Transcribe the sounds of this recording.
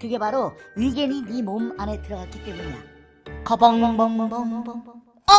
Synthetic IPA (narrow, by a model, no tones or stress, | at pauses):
kɯɡe̞baɾoɥiɡeninimomane̞tɯɾʌɣak͈it͈e̞muɲeo̰ | kʌbʌŋmʌŋŋ | ʌ